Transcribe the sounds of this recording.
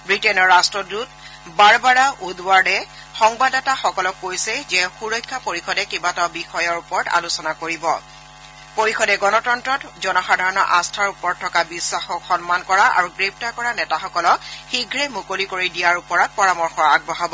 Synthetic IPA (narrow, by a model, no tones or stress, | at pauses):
bɹitɛnɔɹːastɹɔdut | baɹbaɹaʔudwaɹdɛ | xɔŋbadɛtaxɔkɔlɔkːojsɛzɛxuɹɔjkʰːapoɹixɔdɛkibatabixɔjɔɹupɔɹta̰lusɔnakoɹibɔ̰ | poɹixɔdɛɡɔnɔtɔntɹɔtzɔnɔxadʱaɹɔnɔʔãstʰaɹupɔɹtʰːɔkabisːaxɔkxɔnmankɔɹaa̰ɹuɡɹep̚takɔɹanɛtaxɔkɔlɔkxiɡʱɹɛmukolikoɹidijaɹupɔɹɔt̚pɔɹamɔɹxɔɹaɡ̚bɔɦabɔ